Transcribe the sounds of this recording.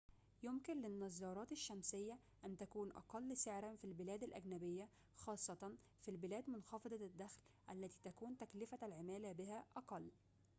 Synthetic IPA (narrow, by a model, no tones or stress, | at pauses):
jʊmkɪnlɪnːɑzːɑːɾˤɑːt̪ɪʃːæmsɪjːæ | ʔænt̪ækuːnʔɑ̰qɑlːseʕɾænfilbɪlæːd̪ælʔæɡnæbɪjːæ | xɑːsˤːɑt̪ɑn | filbɪlæːd̪mʊnxɑfɑd̪ˤɑd̪ːæxlʔælːæt̪iːt̪ækuːnt̪æklɪfælʕɪmæːlæbɪhæʔɑqɑlː